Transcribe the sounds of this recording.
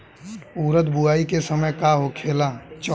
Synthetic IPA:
uːɾət̪buaːikesəməjkaɦokʰeːlat͡ʃɔ

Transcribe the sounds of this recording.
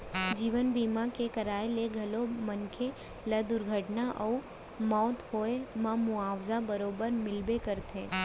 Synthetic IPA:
d͡ʒiːʋənbiːmãkekəɾaːeleɡʱɐlomənkʰe | ləd̪ʊɾɡʱəʈnaʔɐu | mɔːt̪hoːemãmʊaːʋzabəɾoːbəɾmɪlbekəɾt̪ʰẽ

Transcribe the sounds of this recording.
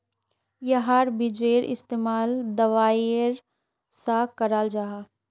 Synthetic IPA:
jɐɦaɾbɪd͡ʒeːɾɪ̰st̪eːmaːld̪ɐʋaːeɾ | sakəɾaːld͡ʒaɦa

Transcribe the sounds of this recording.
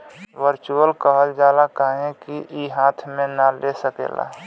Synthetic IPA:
wəɾt͡ʃuəlkəɦəld͡ʒaːlakaɦẽkiʔiɦaːt̪ʰmẽnalesəkḛːla̰

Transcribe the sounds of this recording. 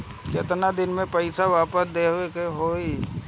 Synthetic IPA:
kɪt̪nad̪ɪnmẽpɐɪsaʋaːpəsd̪eːɦʊekeɦoːi

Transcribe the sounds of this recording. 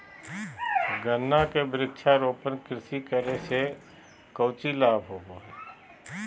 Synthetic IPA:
ɡənːakebɾɪkʃʰaɾoːpənkɾɪsikəɾese | kəʊt͡ʃilaːbʱɦoːɡoɦɛ

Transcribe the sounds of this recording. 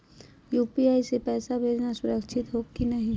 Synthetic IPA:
juːpiaːisepɛːsabʱeːd͡ʒnasʊɾəkʃʰɪt̪ɦoːkinɐɦĩ

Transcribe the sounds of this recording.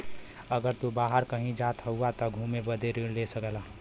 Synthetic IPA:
əɡəɾt̪ubaːɦəɾkəɦĩd͡ʒaːt̪ɦəuat̪ɔɡʱũmebəd̪eɾlesəkla

